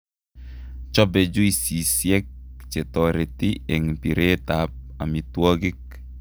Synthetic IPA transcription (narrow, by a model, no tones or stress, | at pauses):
t͡ʃɔbɛd͡ʒuisisjɛk̚t͡ʃetɔɾetiɛŋpiɾetap̚amitwɔɡɪk̚